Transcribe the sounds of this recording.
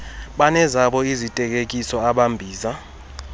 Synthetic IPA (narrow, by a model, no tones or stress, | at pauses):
ɓanɛzaɓɔizitʼɛk̬ʼek̬ʼisɔaɓambʱiːza